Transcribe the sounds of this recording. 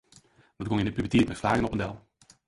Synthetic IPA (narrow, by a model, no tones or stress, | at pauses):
dɔt̚ɡɔŋɪnəpyətiːətmɛtflaːɣənɔpəndɛlˠ